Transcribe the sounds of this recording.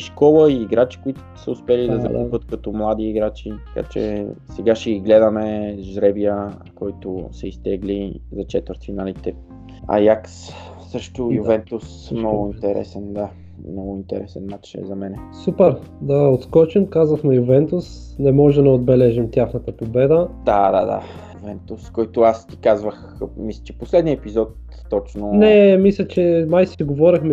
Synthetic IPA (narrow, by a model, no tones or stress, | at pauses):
iʃkɔlˠəiːɡɾat͡ʃi̥kʊit̪ʊ̥səʊspɛlid̪ɐzɐpɤt̪kɐt̪ɔmlˠad̪iːɡɾat͡ʃit̪ɐ̥ka̰t͡ʃɛ̰sɛɡaʃɛiɡlɛd̪əmɛʒɾɛbiə | kɔjt̪ʊsɛist̪ɛɡlizɐt͡ʃɛt̪vəɾt̪finalit̪ɛ | a̰jaks | sɤʃt̪ʊjuvɛnt̪us | mnɔɡʊint̪ɛɾɛ̰sɛnd̪a | mnɔɡʊint̪ɛ̰ɾɛsɛnmat͡ʃɛ̰zɐmɛnɛsupɛɾ | d̪ɐot̪skɔt͡ʃimkazvəxnɛjʊvɛnt̪ʊs | nɛmɔʒɛmd̪ɐod̪̚bɛlɛʒimt̪ʲjaxnət̪əpobɛd̪əd̪ad̪a̰d̪a̰ | juvɛnt̪uskɔjt̪ʊast̪i̥kazvəx | mislʲɛt͡ʃɛ̥poslɛd̪niəɛpizɔt̪ː | ɔt͡ʃnonɛmislʲɛt͡ʃɛmajsɛɡovɔɾixmɛ